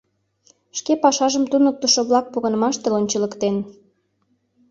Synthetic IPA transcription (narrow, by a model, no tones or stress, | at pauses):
ʃkepɑʃɑʒəmt̪unək̚t̪əʃoβlɑk̚puɣə̆nəmɑʃt̪elonʲt͡ɕə̆ləkt̪en